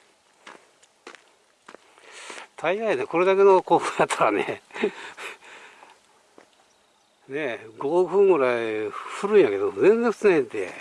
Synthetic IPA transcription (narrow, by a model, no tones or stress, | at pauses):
t̪ʰaiɡaineko̞ɾe̞d̪ake̞nokoːɸɯ̃jat̪ʰːaɾanḛ | ne̞ɡoɸɯ̟̃ŋɡɯ̟ɾaiɸɯ̟ɾɯ̟̃ɰ̃jake̞d̪od͡zẽ̞nd͡zẽɸɯ̟̥t͡snait̪ːḛ